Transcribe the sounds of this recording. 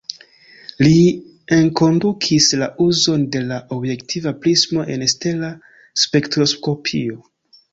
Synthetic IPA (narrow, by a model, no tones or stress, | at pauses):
li | e̞ŋko̞ndukʰislaʔuzo̞nde̞laʔo̞bje̞ktʰivaplismo̞ʔeneste̞la | spe̞ktɾo̞sko̞pʰio̞